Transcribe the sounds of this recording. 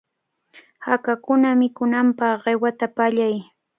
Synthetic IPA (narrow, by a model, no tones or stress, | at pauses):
hakakʊnamɪkʊnampɑχɢewat̪apaʎaj